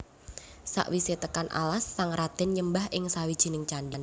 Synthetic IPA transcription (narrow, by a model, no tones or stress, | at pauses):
sa̰ʔwiset̪əkanʔa̰lasːaŋrad̪̥ɛnɲəmbaɦʔɪŋsawid̥ʒ̥i̤nɪŋt͡ʃandan